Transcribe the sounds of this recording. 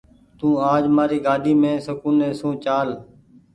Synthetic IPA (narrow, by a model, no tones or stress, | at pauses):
t̪ũːaːd͡ʒmaːɾiːɡaːɗʱiːmẽːsəkũːneːsũːt͡ʃaːl